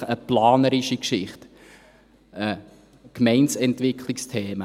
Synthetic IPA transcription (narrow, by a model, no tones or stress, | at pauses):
əplɑːnəɾiʃikʃɪχt | ʔə | kmɛɪnsɛntʋɪkʰlikstʰeːmə